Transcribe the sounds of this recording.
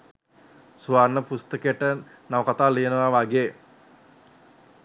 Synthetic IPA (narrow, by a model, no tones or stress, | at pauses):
suʋarnəpust̪əkəjəʈə | naʋəkat̪aːlijənəʋaʋaɡeː